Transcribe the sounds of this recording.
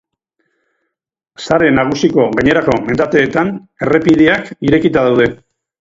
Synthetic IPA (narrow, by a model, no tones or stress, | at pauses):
saɾe̞naɣ̞usiko̞ɣaɲe̞ɾako̞me̞nd̪at̪e̞ːt̪an | e̞re̞piðeakiɾe̞kit̪að̞awð̞e̞